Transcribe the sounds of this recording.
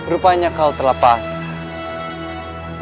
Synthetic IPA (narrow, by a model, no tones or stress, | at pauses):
bɾupaɲakaut̪əlapas